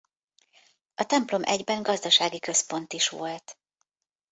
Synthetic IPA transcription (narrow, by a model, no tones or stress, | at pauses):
ʔɒt̪ɛmplo̞mʔɛɟbɛŋɡɒzd̪ɒʃaːɡikø̞spo̞n̪t̪iʃʋo̞lt̪